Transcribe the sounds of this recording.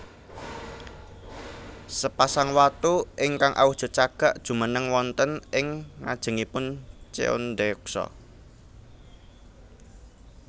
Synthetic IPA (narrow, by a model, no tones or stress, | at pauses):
səpasaŋwat̪uʔɪŋkaŋʔa̰wuhd̥ʒ̥ɔ̤t͡ʃaɡ̥a̤ʔd̥ʒ̥ṳmənəŋwɔnt̪ənɪŋːa̰d̥ʒ̥ə̤ŋipʊnt͡ʃḛo̰nd̪eksɔ̰